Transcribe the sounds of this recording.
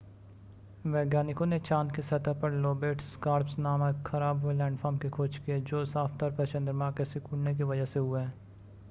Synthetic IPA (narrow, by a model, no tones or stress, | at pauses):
ʋɛːɡjaːnɪkõnet͡ʃaːnkisɐt̪apɐɾloːbeːʈskaːɾpsnaːmakxʰɐɾaːbɦuelɛ̃ːɳɖfʰɔːɾmkekʰoːt͡ʃkied͡ʒoːsaːft̪aːɾpɐt͡ʃə̃nd̪əɾmãːkesɪkuːɽnek̬iʋɐd͡ʒəɦseɦʊeɦɛː